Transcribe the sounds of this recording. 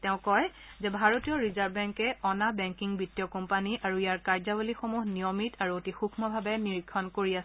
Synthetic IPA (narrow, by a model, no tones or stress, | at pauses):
teʊ̃kɔj | zɛbʱaɹotijɔɹizaɹbbɛŋkɛɔnabɛŋkiŋbitːijɔkɔmpaniʔaɹuijaɹkaɹzabolixomuɦnijɔmitʰaɹuotixukʰmɔbʱabɛniɹikʰːɔnkoɹiasɛ